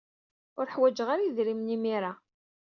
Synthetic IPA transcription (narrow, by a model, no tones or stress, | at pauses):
ʊɾħwæd͡ʒəʁaɾajiðɾimnimiɾa